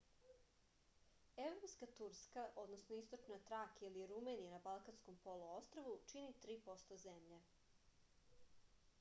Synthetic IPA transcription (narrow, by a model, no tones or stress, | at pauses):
e̞vɾo̞pskat̪uɾskaʔo̞d̪nosnoist̪o̞t͡ʃnat̪ɾakiliɾumenijanabalˠkansko̞mpo̞luo̞st̪ɾoʋut͡ʃinit̪ɾiːpo̞st̪ozemʎe